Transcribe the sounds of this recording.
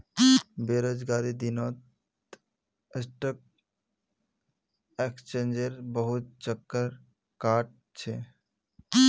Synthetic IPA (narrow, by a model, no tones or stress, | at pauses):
beɾod͡ʒɡaɾid̪inot̪ | esʈək̚ | ekst͡ʃend͡ʒeɾbəɦut̪̚t͡ʃəkːəɾ | kaʈ̚ | t͡ʃʰe